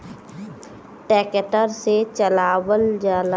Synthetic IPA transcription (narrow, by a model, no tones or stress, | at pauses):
ʈɛːkəʈəɾset͡ʃəlaːwəld͡ʒaːla